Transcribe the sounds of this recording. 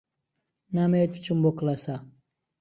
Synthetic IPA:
namet̪t͡ʃumboklasa

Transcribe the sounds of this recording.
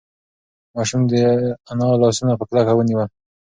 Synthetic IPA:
mɑʃumd̪əanɑlɑsunapəklakawəniwəl

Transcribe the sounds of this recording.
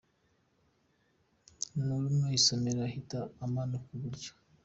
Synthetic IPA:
nulumnoisomeɾahitaːmanokuβuɾɟo̥

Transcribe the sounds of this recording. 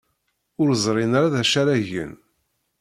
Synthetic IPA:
ʊɾzˤɾˤɪnaɾaðæʃaɾæʝə̰n

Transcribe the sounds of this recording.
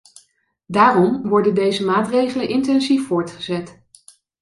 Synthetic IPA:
daːrɔmʋɔɹdəndejzəmaːtrejχələnʔɪntɛnzifːʊːɹtχəzɛt

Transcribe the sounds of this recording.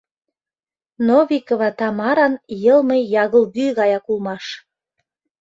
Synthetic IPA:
noβikoβɑt̪ɑmɑɾɑnjɤlˠməjɑɣəlɣyɣɑjɑkulˠmɑʃ

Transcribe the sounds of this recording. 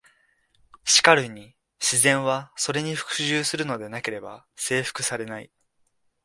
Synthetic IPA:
ɕi̥kaɾɯ̟ɲ̟i | ɕizẽ̞ɰ̃βaso̞ɾe̞ɲ̟iɸɯ̟̥kɯ̟̥ʑɨːsɨɾɯ̟no̞d̪e̞nake̞ɾe̞ba̰ | se̞ːɸɯ̟̥kɯ̟saɾe̞naḭ

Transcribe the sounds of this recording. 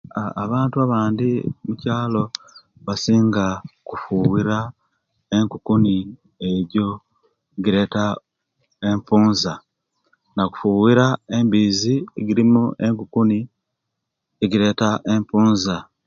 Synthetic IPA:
aa̰βaːntuaβaːndimucaːlo̞ | βasiːŋɡakufuwiɾa | e̞ŋkukuni | e̞ɟo̞ | eɟiɾe̞ːta | e̞ɱpuːnza | naku̥fuwiɾae̞mbiːziḛɟiɾimuʔe̞ŋkukuni | eɟiɾe̞taʔe̞ɱpuːnza

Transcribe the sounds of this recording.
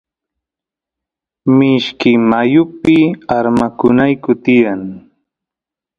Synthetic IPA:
mɪʃkɪmajʊpɪaɾmakʊnajkʊt̪ɪjaŋ

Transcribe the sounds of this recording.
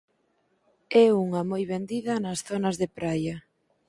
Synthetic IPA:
ɛuŋɐmojβend̪iðɐnɐsθonɐzðepɾajɐ

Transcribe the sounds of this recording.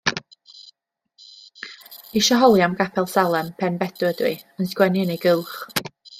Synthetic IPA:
iʃɔɦɔlˠjamɡapʰɛlˠsalˠɛmpʰɛnbɛdʊədwiənsɡ̥wɛnɪneɡɪlˠχ

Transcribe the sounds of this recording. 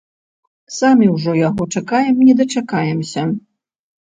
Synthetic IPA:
samʲiwʐɔjaɣɔt͡ʂakajɛmnʲɛd̪ɐt͡ʂakajɛmsʲɐ

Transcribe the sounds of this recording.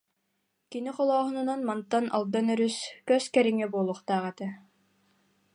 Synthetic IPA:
kiniqɔlˠɔːɦununanmant̪ːana̰lˠd̪anœɾyskœskɛɾiŋɛbuɔlˠuχt̪aːʁɛt̪ɯ

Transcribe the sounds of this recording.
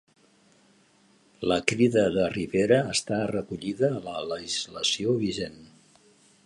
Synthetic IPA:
ləkɾiðəðəriβeɾəːst̪arəkuʎiðəːlələʒizləsioβiʒen

